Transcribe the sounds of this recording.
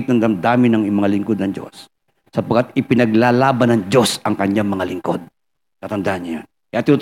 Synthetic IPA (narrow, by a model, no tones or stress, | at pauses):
t̪̚nɐŋd̪ɐmd̪aːmɪnɐŋmɐŋalɪŋkod̪nɐŋd͡ʒo̞̰sː | ɐpɐɡkːat̪ɪpɪnɐɡlalaːbɐnɐŋd͡ʒo̞sʔɐŋkɐɲːaŋmɐŋalɪŋko̞d̪̚ | kɐt̪ɐnd̪aʔɐnːɐa | kjat̪ɪnut̪